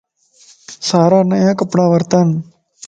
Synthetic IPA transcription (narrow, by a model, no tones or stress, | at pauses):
saːɾaːnajaːkɐpɽaːʋɐɾt̪an